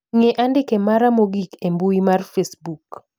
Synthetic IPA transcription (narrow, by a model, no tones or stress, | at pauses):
ŋeʔandɪkemaɾamoɡikembuimarfesbuk